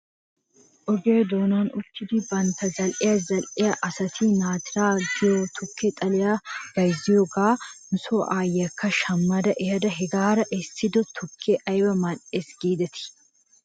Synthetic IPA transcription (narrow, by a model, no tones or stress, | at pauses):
ʔɔɡeːd̪oːnaːnʊt̪ːɪd̪ɪbɐnt̪ɐzɐlʔɪjɐzɐlʔɪjɐʔɐsɐt̪ʰiːnaːt̪ɪɾaːɡɪjot̪ʰʊkːet̪ʼɐlɪjaɡ̥ɐjzɪjoɡaːnʊsoːʔaːjːɐkːɐʃɐmːɐd̪ɐʔɛhɐd̪ɐɦɛɡaːɾɐʔɛst̪ɪd̪ɔt̪ʰʊkʰːeʔɐjbɐmɐᶑeːsɡ̥iːd̪ɐt̪ɪ̥